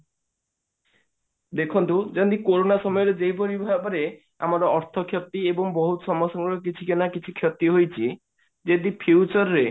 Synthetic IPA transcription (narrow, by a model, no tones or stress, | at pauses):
d̪ekʰɔnt̪ud͡ʒɔnd̪ikoɾonasɔmɔjɔɾed͡ʒejpɔɾibʱabɔɾe | a̰maɾɔɔɾt̪ʰɔkʰjɔt̪iebɔŋbɔɦut̪ɔsɔmɔsɔŋɡɾɔk̬it͡ʃʰikenakit͡ʃʰikʰjɔt̪ːiɦojt͡ʃʰi | d͡ʒed̪ipʰuwt͡ʃɔɾɾe